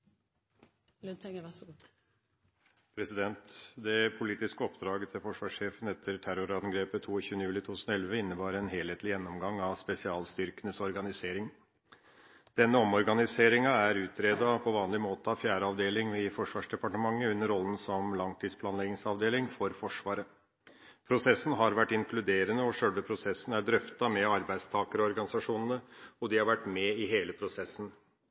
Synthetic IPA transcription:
lʰ | pʰɾɛsɪd̪ɛnt̪d̪ɛpʰʊliːt̪ɪskəɔpd̪ɾɑːɡət̪ʰɪlfɔʂʋɑːʂːeːfənɛt̪ʰːəɾʈ̪ʰæɾʊɾɑnɡɾeːpət̪ʰuːɪçʉːənəjʉːlɪt̪ʰuːʉsnɔɛlʋəɪnːəbɑːɾɛnɦeːleːt̪lɪjɛnːɔmɡɑŋːɑʋspɛsɪɑːlst̪ʏɾkənəsɔɾɡɑnɪseːɾɪŋ | d̪̥ɛnːəɔmɔɾɡɑnɪseːɾɪŋɑæɾʉːt̪ʰɾeːd̪ɑpʰɔʋɑːnlɪmoːt̪əɑʋfjæːɾəɑʋd̪eːlɪŋɪfɔʂʋɑːʂɖ̪ɛpɑʈəmɑŋːəʉnːəɾɔln̩sɔmlɑŋt̪ʰiːd̪spʰlɑːnlɛɡɪŋsɑʋd̪eːlɪŋfɔɾfɔʂʋɑːɾə | pʰɾʊsɛsːn̩ɦɑɾʋæʈːɪŋkʰlʉd̪eːɾənəɔʂœlʋəpʰɾʊsɛsːn̩æɖɾœft̪ɑmɛɑɾbæɪd̪st̪ʰɑːkəɾɔɔɾɡɑnɪsɑʂuːnənəɔd̪ɪhɑɾʋæʈːmɛɪɦeːləpʰɾʊsɛsːn̩

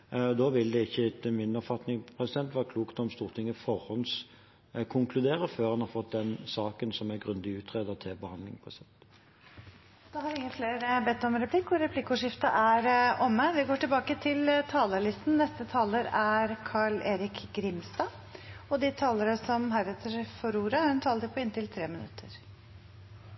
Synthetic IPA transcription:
ɔd̪oːʋɪld̪ɛɪçːəɪt̪əmɪnːɔpfɑt̪nɪŋpʰʁɛsɪd̪ɛnt̪ʋɑɾkʰluːkt̪ɔmst̪uːʁt̪ʰɪŋːɪfɔʁhɔns | kʰʊŋkʰlʉd̪eːɾəføːʁhɑnhɑɾfɔt̪̚d̪ɛnsɑːkənsɔmæɡʁʉnd̪ɪʉːt̪ʰʁeːd̪ət̪ʰɪlbəhɑnd̪lɪŋpʰɾɛsɪd̪ɛnt̪ | d̪̥ɑhɑɾʋɪŋːəfleːɾəbɛt̪ːɔmɾɛpʰlɪkːʊɾɛpʰlɪkːʊʂɪft̪ɑʔæɾʔɔmːəʋ̪ɪɡoːʈɪlbɑːkət̪ʰɪlt̪ʰɑːləɭɪst̪n̩nɛst̪ət̪ʰɑːləɾæɾkʰɑɭeːɾɪkɡɾɪmst̪ɑː | ɔd̪ɪt̪ʰɑːləɾəsɔmɦæɾɛt̪ʰəɾfɔɾuːɾəæhʉnt̪ʰɑːlt̪əpʰɔɪnt̪ɪlt̪ʰɾeːmɪnʉ̰t̪ʰːəɾ

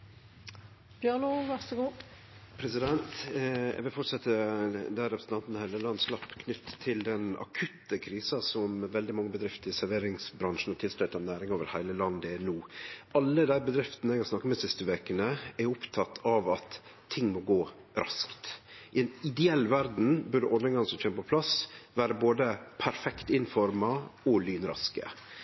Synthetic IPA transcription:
b̥jɑnuʋæsəɡuː | pʰɾɛsɪd̪ɛnt̪ɛ̰ɡʋɪlfɔʈsɑt̪ːəd̪æɾɛpɾəsn̩t̪ɑnt̪n̩hæɪləlɑnslɑpːkʰnʏt̪ːt̪ʰːɪld̪ɛnɑ̰kʰʉt̪ːəkʰɾiːsɑsɔmʋɛld̪ɪmɑŋːəbəd̪ɾɪft̪əɾɪsæɾʋeːɾɪŋsbɾɑŋʂn̩ɔt̪ʰɪlslœʏt̪ɑnæːɾɪŋoːʋəɾhæɪləlɑnd̪ɪɛnuːʔɑlːəd̪æɪbəd̪ɾɪft̪ənəɛɡhɑsnɑkːəmɛsɪst̪əʋeːkənəɛɾʊpt̪ʰɑt̪ʰːɑʋɑt̪ʰː | ɪŋːmɔɡoːɾɑ̰skt̪ʔɪɛɪnɪd̪ɛɛlːʋæɾd̪n̩bʉɖəʔɔnɛŋɡɑŋsɔmçʰeːməpʰɔpʰlɑsʋæːɾəboːd̪əpʰæɾfɛkt̪ɪnfɔɾmɑɔlyːnɾɑ̰skə̰

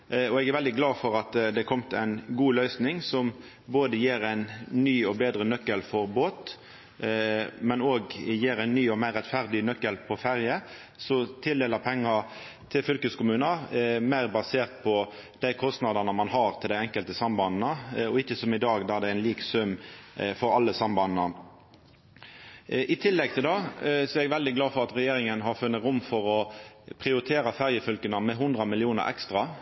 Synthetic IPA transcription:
ɔɛɡæɾʋɛld̪ɪɡlɑːfɔɾɑt̪d̪ɛkʰɔmt̪ʰæɪnɡuːlœʏsnɪŋsɔm | boːd̪əjeːɾæɪnːyːɔbeːd̪ɾənœkːəlfɔɾboːt̪ | mɛnoːɡjeːɾæɪnːyːɔmæɪʁːɛt̪fæʁd̪ɪnœkːəlpʰɔfæɾjə | sɔt̪ʰɪld̪eːləpʰɛŋːɑ | t̪ʰɪlfʏlkəskʊmʉːnɑmæɪʁbɑseːʁt̪̚pʰɔ | d̪̥æɪkʰɔst̪nɑd̪ɑnəmɑnɦɑɾt̪ʰɪld̪æɪɛŋkəlt̪əsɑmbɑnnəɔɪçːəsɔmɪd̪ɑːɡd̪ɑæd̪ɛæɪnliːksʉmːfɔɾɑlːəsɑmbɑnnə | ʔɪt̪ʰɪlːɛɡ̚t̪ʰɪld̪ɑːsɔɛɛɡʋɛld̪ɪɡlɑːfɔɾʁɑt̪ɾɛjeːɾɪŋənɦɑɾfʉnːət̪ɾʊmːfɔɾɔ | pʰɾɪʊɾɪt̪ʰeːɾɑfæʁjəfʏlkənəmɛɦʊnd̪ʁəmɪlɪuːnə̰ɾɛ̰kst̪ʁɑ

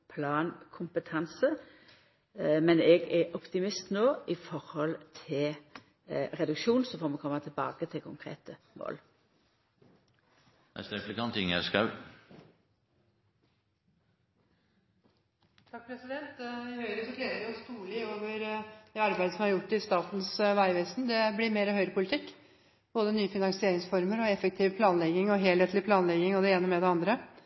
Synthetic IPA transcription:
pʰlɑːnkʰʊmpət̪ʰɑnsə | mɛnɛɡɛɾʔɔpt̪ɪmɪst̪noːʔɪfɔɾhɔlt̪ʰɪl | ʁɛd̪ʉkʃuːnsɔfɔʁmɛkʰɔmːət̪ʰɪlbɑ̰ːkət̪ʰɪlkʰʊŋkʰʁḛːt̪ə | mo̰ːl | nɛ̰st̪ɾɛflɪkʰɑnt̪ʰɪŋæskɑʉ | t̪ʰɑk̚pʰɾɛsɪd̪ɛnt̪ɪhœʏɾəsɔkleːd̪əɾæɔst̪uːlɪoːʋəɾd̪̥ɛɑɾbæɪd̪əsɔmhɑɾjʊʈːɪst̪ɑːt̪n̩sʋæɪʋɛːsnd̪ɛblɪɾmeːɾəhœʏɾəpʰʊlɪt̪ʰɪkː | b̥oːd̪ənyːəfɪnɑŋsɪeːɾɪŋsfɔɾməɾɔɛfək̚t̪ʰɪːʋpʰlɑːnlɛɡɪŋɔɦeːlheːt̪lɪpʰlɑːnlɛɡɪŋɔd̪ɛeːnəmɛd̪ɛɑnd̪ɾə

